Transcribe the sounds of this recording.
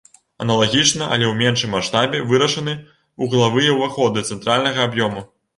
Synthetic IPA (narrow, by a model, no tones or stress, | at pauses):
ɐ̰nɐlˠaɣʲit͡ʂnɐʔɐ̰lʲɛwmʲɛnʂɨmːaʂt̪abʲɛvɨɾɐʂɐnɨ | uɣlˠavɨjɛwvaxɔd̪ɨt̪sɛnt̪ɾalʲnɐɣɐːbjɔmu